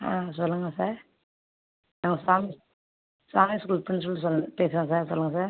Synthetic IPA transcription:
a̰ːsɔlːɯŋɡɐsaːɾ | naːŋɡɐsaːmis | saːmiskulpːɐnːs̬ɔlːɯs̬ɔlːpeːsɪɾẽŋɐs̬aːɾsɔlːɯŋɡɐs̬aːɾ

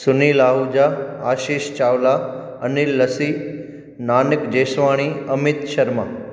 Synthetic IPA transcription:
sʊnilaːɦud͡ʒaaːʃiːʃt͡ʃaːʋla | ənilːəsi | naːnɪkd͡ʒeːsʋaːɽ̃iəmɪt̪ʃɐɾma

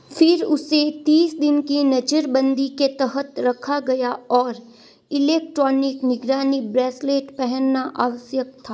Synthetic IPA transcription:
fʰɪɾʊset̪iːsd̪ɪnkinɐd͡ʒəɾbə̃nd̪iket̪ɛɦət̪ɾɐkʰaɡɐjaɔːɾ | ɪleːk̚ʈɾɔːnɪknɪɡɾaːnibɾɛːsleːʈpɛɦɛnːaʔaːʋəsjək̚t̪ʰaː

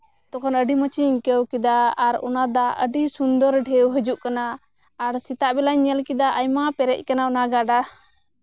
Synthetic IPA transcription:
t̪ɔkʰɔnəɖimət͡ʃiŋkəwkid̪aaɾɔ̰nad̪aʔə̰ɖisund̪ɔɾɖʱɛwɦəd͡ʒuʔkanaː | ɾsit̪aʔbɛlaɲɛlkid̪aʔajmapɛɾɛc̚ˀkanaɔnaɡaɖa

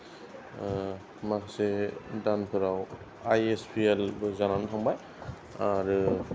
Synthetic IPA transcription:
masedanpʰɯɾaw | ajespʰielbɯzananɯtʰaŋbaj | aɾɯ

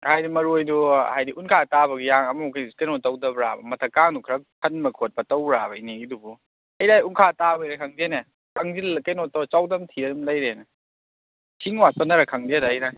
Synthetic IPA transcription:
hajdimɐɾojduhajdiʔunkʰatabɐɡijaŋɐmukʰikejnɔtɐwdɐbɾa̰bɐmɐtʰɐkaŋnukʰɾɐkʰːɐnmɐkʰot̚bɐtɐwɾaβɐiniɡidubu | hɐjɾajunkʰatabɐijɾakʰɐŋdenɐ | kɐŋd͡ʒilkɐjnɔtːɐwt͡ʃawdɐmtʰiɾɐdumlɐjɾenɐ | sʰiŋwapɐnɐɾɐkʰɐŋdedɐɦɐjɾaj

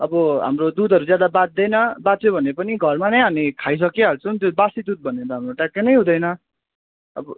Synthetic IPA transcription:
ʌbʌɦa̰mrod̪ud̪ʱʌɾud͡zjad̪abat̪̚d̪ʌjnʌbat͡sjobʱʌnepʌniɡʱʌrmanʌjʌnikʰajs̬ʌkeɦʌlt͡sʰʌ̃t̪jobasid̪ud̪̚bʱʌnet̪ʌɦamroʈakːenʌjɦũd̪ʌjnʌ | ʌ̰bʌ

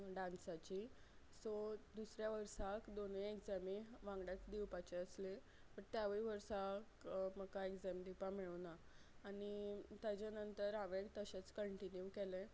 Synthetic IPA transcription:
ɖansat͡ɕiː | sod̪usɾjaʋəɾsakd̪oneekd͡zamiʋãŋɡɽjat͡sd̪iwpat͡ɕeəsle | pəɾt̪jaʋəɭiʋəɾsakməkaekd͡zɛmd̪ipamiɭunaː | ɽ̃it̪jat͡ɕjanənt̪əɾaʋeɳt̪əɕet͡skəɳʈinjukelẽ

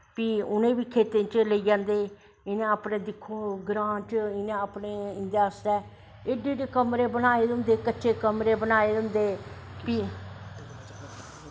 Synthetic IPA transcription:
piːʊnẽːbiːkʰeːt̪ẽːt͡ʃləiːd͡ʒãːnd̪eː | ɪnẽːaːpnẽːd̪ɪkʰːoːɡɾãːʈɪnẽːaːpneːɪ̃nd̪jaːsd̪ɛː | ɪɖeːɖeːkəmɾeːbənaːeːd̪ʊ̃nd̪eːkətːʃʰeːkəmɾeːbənaːeːd̪ʊ̃ːnd̪eːpiː

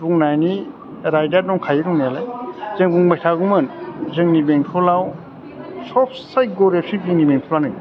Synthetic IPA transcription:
buŋnajni | ɾajdaɾdɔŋkʰajiɾuŋnijalajzeŋbuŋbajtʰaɡumɯnzeŋnibeŋtʰɔlaw | sɔpʰsaj̚ɡɔɾep̚siziŋnibeŋtʰɔlanɯŋ

